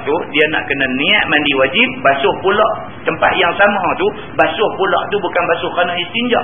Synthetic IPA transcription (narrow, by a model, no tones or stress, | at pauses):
t̪udiana̰ʔkənaniaʔ̚mandiwad͡ʒip̚basʊhpulɔʔ | t̪əmpa̰t̪jaŋsamãt̪u | basʊhpulɔ̰ʔt̪ubukanbasʊhkanaist̪ind͡ʒa̰ʔ